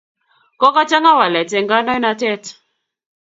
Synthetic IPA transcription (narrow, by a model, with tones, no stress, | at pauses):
kɔ˦ka˦t͡ʃa˦ŋa˦wa˨lɛ˨tɛ˨ŋɡa˦nɔ˦jna˧tɛ˦t